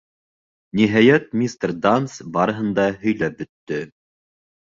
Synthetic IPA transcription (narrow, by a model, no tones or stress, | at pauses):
niɦæjæt̪̚mʲist̪rd̪ansbɑɾɤ̆ɦɤ̆nd̪ɑɦɵ̆jlæp̚bɵ̆t̪ːɵ